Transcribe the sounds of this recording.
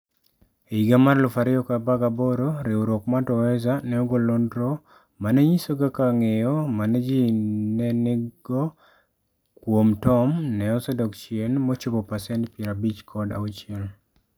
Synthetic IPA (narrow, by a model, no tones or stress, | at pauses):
eiɡamarlʊfaɾɪɔkabaɡaboɾoɾeuɾokmatɔwɛzanɛɔɡɔlondɾɔ | manɛɲisoɡakaŋejɔmanɛd͡ʒinɛnɪɡɔ | kwomtɔmnɛɔsɔdɔkt͡ʃiɛnmɔt͡ʃobɔpasɛnpjɛɾabit͡ʃkʰɔda̰ut͡ʃɪɛl